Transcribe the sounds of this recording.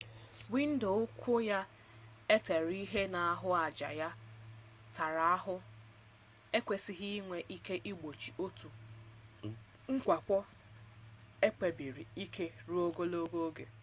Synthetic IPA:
wi˦n̩˦do˨ʊ˦kʰʷʊ˦ja˦ | e˦te˨ɾi˦ɦe˦na˨a˦ɦʊ˦a˨d͡ʒa̰˨ja˦ | ta˨ɾa˨˦a˦ɦʊ˦ | e˦kʷe˨si˦ɦi˦ŋʷe˨ʔi˦ke˦ʔi˦ɡ͡bo˨t͡ʃi˨o˦tu˨ | ŋ̩˦kʷa˨kʷɔ˦ | e˦k͡pe˨bi˨ɾi˨i˦ke˦ɾu˦o˦ɡo˦lo˦ɡo˦ɡe˨

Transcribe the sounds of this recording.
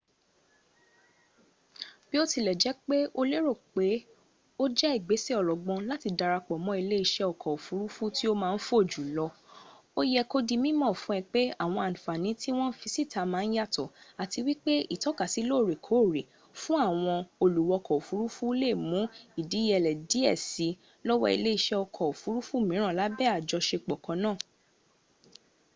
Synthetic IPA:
b̥i˦o˦ti˧lɛ˨d͡ʒɛ˨˦k͡pe˦ʔo˦le˦ɾo˦˨k͡pe˨˦ | o˦d͡ʒɛ˦i˦˨ɡ͡be˨˦si˦ɔ˨lɔ˨ɡ͡bɔ̃˧la˦ti˧da˧ɾa˧k͡pɔ˨mɔ̃˨˦i˧le˦i˧˨ʃɛ˧ɔ˨kʰɔ˨o˨fu˨˦ɾu˦fu˦ti˦o˦mãː˦˧n̩˦fo˦˨d͡ʒu˨lɔ˧ | o˦jɛ˧ko˦di˧mĩ˦mɔ̃˦˨fũ˨˦ɛ˧k͡pe˦a˦˨w̃ɔ̃˧a˨nũ˨fa˨nĩ˨˦ti˦w̃ɔ̃˦n̩˦fi˧si˦˨ta˨˧mãː˦˧n̩˦ja˦˨tɔ˨a˨ti˧wi˦k͡pe˦i˦˨tɔ˨˦ka˨si˨˦lo˦˨ɾe˨kʰo˨˦˨ɾi˨ | fũ˦a˦˨w̃ɔ̃˧o˧lu˨wɔ˧kɔ˨o˨fu˨˦ɾu˦fu˦i˦le˦˨mũ˨˦i˦˨di˨˦jɛ˧˨lɛ˨di˨˦ɛ̰˦˨si˨˦ | lɔ˦wɔ̰˦ḭ˧le˦i˧ʃɛ˦ɔ˧kʰɔ˨o˨fu˨˦ɾu˦fu˦˨mĩ˨˦ɾ̃ã˦˨la˨˦bɛ˦a˨d͡ʒɔ˧ʃe˧k͡pɔ˨kɔ̃˨˧nãː˦˨

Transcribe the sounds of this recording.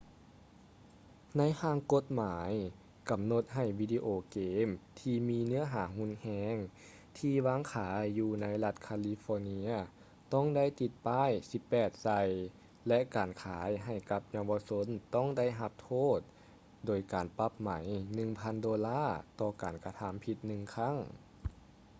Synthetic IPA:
na˧˥˨jhaː˧˩ŋko˧˥t̪̚maː˩˦j | ka˨˩mno˧˦t̪̚ɦa˧˩jwiː˧di˧ʔoː˧˩keː˨˧˦mt̪ʰiː˧miː˧nɯ˧˥ɐɦaː˨˦ɦu˧˥˨nhɛː˧˥ŋ | t̪ʰiː˧waː˧˥˨ŋkʰaː˩˦jːuː˧na˧˥jla˧t̪̚kʰaː˧li˧fɔː˧ni˧˥ɐ | t̪ɔ˧˥˩ŋda˧˥˩jt̪i˧˦t̪̚paː˧˥˩jsi˧˦pːɛː˨˩t̪̚sa˧j | lɛ˧ʔkaː˨˩nkʰaː˩˦jɦa˧˨˩jka˧˦p̚ɲa˧wʋa˧so˧˥nt̪ɔ˧˥˩ŋda˥˨jɦa˧˦p̚t̪ʰoː˥˩t̪̚ | doː˨˩jkaː˨˩npa˧˥p̚ma˩˦jnɯ˧ŋpʰa˧˥ndoː˧laː˥˩t̪ɔː˧kaː˨˩nka˧t̪ʰa˧˦mpʰi˧˦t̪̚nɯ˧ŋkʰa˧˥˨ŋ

